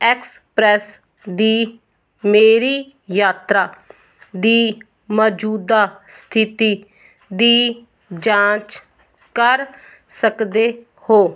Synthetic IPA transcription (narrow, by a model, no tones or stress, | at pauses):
ɛːks | pɾɛːs | d̪iː | meːɾiː | jaːt̪ɾaː | d̪iː | mɔːd͡ʒuːd̪aːst̪ʰɪt̪iː | d̪iː | d͡ʒãːt͡ʃ | kəɾ | səkd̪eː | hoː